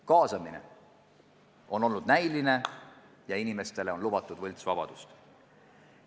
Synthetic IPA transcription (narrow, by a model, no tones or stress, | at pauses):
kɑːsɑminḛ | o̞no̞lnud̪̚næjline̞ | jɑinime̞st̪e̞leo̞nlub̥ɑt̪ːˑud̪̥vɤlʲt̪svɑb̥ɑ̰d̪̥ust̪